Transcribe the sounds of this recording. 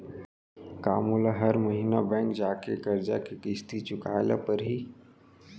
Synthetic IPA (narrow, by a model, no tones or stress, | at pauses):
kaːmuːlaɦɐɾmɐɦiːnabɛ̃ːŋk̚d͡ʒaːkekɐɾd͡ʒakekɪst̪it͡ʃʊka̰ːla̰pɐɾɦiː